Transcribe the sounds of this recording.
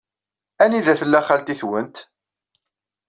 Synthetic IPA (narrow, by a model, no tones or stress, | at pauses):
æniðæθəlːæχælt̪iθwənt̪